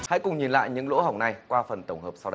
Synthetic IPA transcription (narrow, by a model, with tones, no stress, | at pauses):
ha̰˧˥jkʊ˨˩ŋ͡mɲi˨˩nla̰ː˧˨jɲɨ̰˧˥ŋlo̰˧˥ha˨˩wŋ͡mna˧˩jkwaː˧fə˨˩nt̪ə˧˩wŋ͡mhəː˨˩p̚sa˧wɗə˧j